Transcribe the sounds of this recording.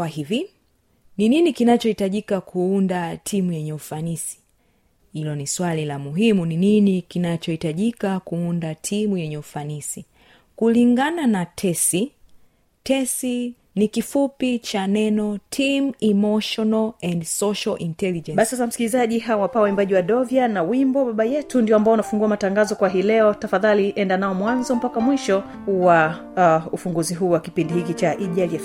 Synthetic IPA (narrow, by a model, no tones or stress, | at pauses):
wahivi | nininikinat͡ʃɔhitaʄikakʰuundatʰimujɛɲɛufanisi̥ | hilɔniswalilamuɦimunininikinat͡ʃɔhitaʄikakuundatʰimujɛɲɛufanisi | kuliŋɡananatʰɛsi | tɛsi | nikifupit͡ʃanɛnɔtʰimimɔʃɔnalɛndsɔʃalʔintɛlid͡ʒɛ̃ɓasisasam̩skilizaʄiɦawapawaimbaʄiwaɗɔvianawimbɔɓaɓajɛtundiɔambaɔunafuŋɡuamataŋɡazɔkwaɦiːlɛɔtafaðaliʔɛndanaɔmwanzɔm̩pakamwiʃɔ | wa | ufuŋɡuziɦuːwakipindihikit͡ʃaʔiʄaliɛf